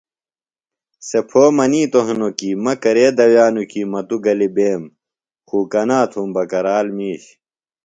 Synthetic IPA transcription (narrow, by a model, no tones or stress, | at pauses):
sepʰoːmɐniːt̪oɦnokiːmɐkɐɾeːd̪ɐwjaːnukimɐt̪uɡɐlibeːm | kuːkɐnaːt̪ʰumbɐkɐɾaːlmiːɕ